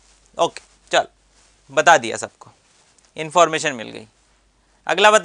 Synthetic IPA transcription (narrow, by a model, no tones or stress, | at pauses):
oːke̥ | t͡ʃɐl | bɐt̪ad̪ija̰sɐb̚ko | ɪ̃nfɔːɾmeːʃənmɪ̰lɡɐ̰ḭː | ɐ̰ɡlabɐt̪